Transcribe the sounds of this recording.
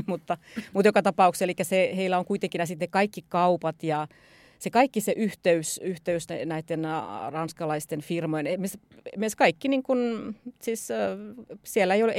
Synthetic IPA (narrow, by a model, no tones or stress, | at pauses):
mut̪ːɑmut̪jokɑt̪ɑpɑukselikːæseheilæoŋkuit̪eŋkːinɑsit̪nekɑikːikɑupɑt̪jɑ | sekɑikːiseʔyht̪eysyht̪eysænæit̪ːenrɑnskɑlɑist̪enfirmojenemes | meskɑikːiniŋkunsiːs | sielːæeijolʔ